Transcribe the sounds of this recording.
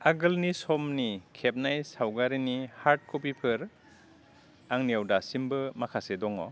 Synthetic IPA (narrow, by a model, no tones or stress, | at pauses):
aɡɯlnisɔmnikʰep̚najsawɡaɾinihaɾt̚kop̬ipʰɯɾ | aŋnijawdasimbɯmakʰasedɔŋɔ̰